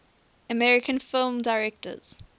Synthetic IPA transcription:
əmɛɹɪkʰə̃nfɪlˠmdaɪɹɛk̚tə̰z̥

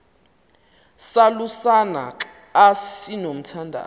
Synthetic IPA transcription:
salusana̰ | assinom̩tʰandʱa̰

